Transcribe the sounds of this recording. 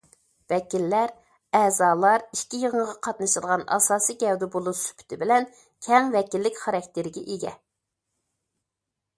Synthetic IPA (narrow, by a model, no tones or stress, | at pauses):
vɛkʲilːæɾ | ɛːzɑːlˠɑɾiʃkʲijəʁəɴəʁɑqʰɑt̪nɨʃɨd̪ˠʁɑnɑ̰sɑːsijɡʲɛwd̪ɪbolˠusy̥pʰy̥t̪ʰɪbɪlɛn | kʲʰɛŋvɛkʲilːɪkʲχɑɾɛk̚ʲt̪ɪɾɪɡʲɛʔiɡʲɛ̰